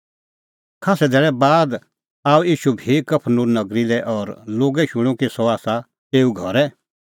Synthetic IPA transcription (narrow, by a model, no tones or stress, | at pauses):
kʰaːsɛd̪ɛːɭɛbaːd̪ | aːuiːʃubʱikɐpʰnũnnɐɡɾilɛʔɔːɾloːɡɛʃʊ̃ɽ̃ũkisɔaːsa | t̪eːuɡʱɔɾɛ